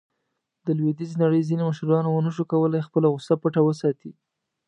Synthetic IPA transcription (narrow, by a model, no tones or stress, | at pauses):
d̪əlwed̪izenaɽəjzinemaʃɾɑnowənəʃokawəlajxpəlaɣʊsapəʈawəsɑt̪i